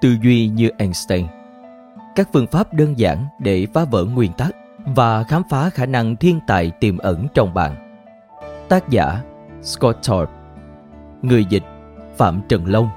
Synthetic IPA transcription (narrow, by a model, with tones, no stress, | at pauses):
t̪ɨ˧zwi˧ɲɨ˧ʔɛ˧nst̪ɛ˧ŋ | kaː˦˥k̚fɨ˧əŋfaː˦˥p̚ɗəː˧nza̰ː˧˩nɗe˧˩faː˨˦və̰ː˧˥ŋwi˨˩ənt̪a˦˥k̚ | vaː˨˩xaː˨˦mfaː˨˦xaː˧˩na˧ŋt̪ʰi˧ənt̪a̰ː˧˨jt̪i˨˩mʔə˧˩nt͡ɕɔ˧wŋ͡mɓa̰ː˧˨n | t̪aː˦˥k̚za̰ː˧˥ | skɔ˦˥t̚t͡ɕɔ˧˦˥p̚ | ŋɨ˨˩əjzi˨˩k̟̚ | fa̰ː˧˩mt͡ɕə˨˩nlə˧wŋ͡m